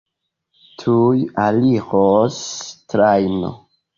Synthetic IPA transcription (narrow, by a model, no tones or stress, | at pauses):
tʰujaliʁostɾajno̰